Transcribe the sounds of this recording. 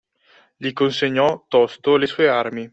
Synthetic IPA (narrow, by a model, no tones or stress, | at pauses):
ʎikonseɲːɔt̪ɔst̪olesuːearmi